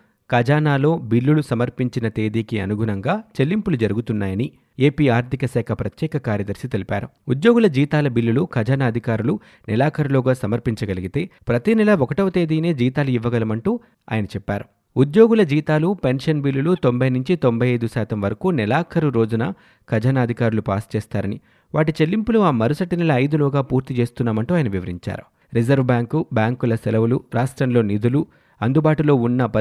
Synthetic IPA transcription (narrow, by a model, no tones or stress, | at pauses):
kɐd͡ʒaːnaːlo̞ːbilːulusɐmɐɾpiɲt͡ʃinɐt̪eːd̪iːkiɐ̰nuɡʱuɾɐŋɡaːt͡ʃe̞lːimpulud͡ʒɐɾuɡut̪unːaːjɐni | eːpiːaːɾt̪ʰikɐsɛːkʰɐpɾɐt̪jɛːkɐkaːɾjɐd̪ɐɾsit̪elipa̰ːɾu | ud̪jo̞ːɡulɐd͡ʒiːt̪aːlɐbilːulukɐd͡ʒaːnaːɐd̪ʱikaːɾulu | nilaːkʰɐɾuloːɡaːsɐmɐɾpiɲt͡ʃɐɡɐliɡit̪e̞ːpɾɐt̪inɛlɐʋɔkɐʈɐʋɐt̪eːd̪iːne̞ːd͡ʒiːt̪aːluiʋːɐɡɐlɐmɐɳʈuː | a̰ːjɐnɐt͡ʃɛpːaːɾu | ud̪jo̞ːɡulɐd͡ʒiːt̪aːlupe̞nʂɐnbiːlːulut̪ombʱɐjnuɲt͡ʃit̪o̞mbʱɐjɐjd̪usaːt̪ɐmʋɐɾɐkuːnɛlaːkʰɐɾuɾo̞ːd͡ʒunɐ | kɐd͡ʒɐnɐːd̪ʱikaːɾulupa̰ːst͡ʃɛːst̪aːɾɐni | ʋaːʈit͡ʃe̞lːimpuluaːmɐɾusɐʈinɛlɐːjd̪ulɔːɡaːpuːɾt̪it͡ʃe̞ːst̪unːaːmɐɳʈuaːjɐnɐʋiʋɐɾḭɲt͡ʃa̰ːɾu | ɾid͡ʒɐɾʋbjaːŋkubjaːŋkulɐsɛlɐʋuluɾaːʂʈɾɐmlo̞ːnid̪ulu | ɐnd̪ubaːʈulo̞ːunːɐpɐ